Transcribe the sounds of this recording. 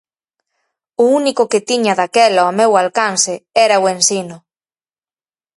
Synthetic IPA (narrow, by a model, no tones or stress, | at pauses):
ʊunikʊkɪt̪iɲɐðakɛlɐomewalkansɪɛɾɐʊensinʊ